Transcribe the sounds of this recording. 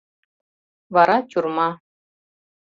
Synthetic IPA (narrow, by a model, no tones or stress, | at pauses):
vɑɾɑt͡ɕʲurmɑ